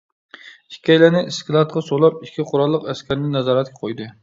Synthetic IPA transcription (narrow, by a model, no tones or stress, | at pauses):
ikʲʰːɛjlænɪiskʲilˠɑt̪̚qʰɑsolˠɑp̚ikʲʰːiqʰʊɾɑlˠːəqɛskʲæɾnɪnɛzɑːɾɛt̪̚kʲɛqʰojd̪ɨ